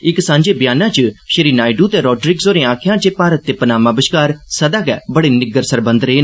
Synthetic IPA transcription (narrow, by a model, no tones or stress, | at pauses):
ɪksãːɲd͡ʒeːbjaːnãːt͡ʃəʃəɾiːnaːɪɖuːt̪eːɾɔːɖɾɪɡzoːɾẽːãːkʰɪjãːt͡ʃeːpaːɾət̪̚ːeːpənaːmãːbəʃkaːɾsəd̪aːkɛ̰ːbəɽeːnɪɡəɾsəɾbə̃nd̪ɾeːn